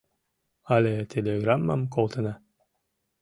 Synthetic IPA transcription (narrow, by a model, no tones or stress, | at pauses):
alʲet̪ʲʰelʲeɡramːa̰mkolˠt̪ɤna